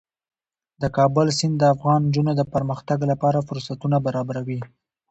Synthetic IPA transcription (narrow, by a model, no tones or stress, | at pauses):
d̪əkɑbʊlsɪnd̪əafɣɑnd͡ʒunod̪əpəɾməxt̪aɡlapɑɾafʊɾsat̪unabaɾɑbaɾawi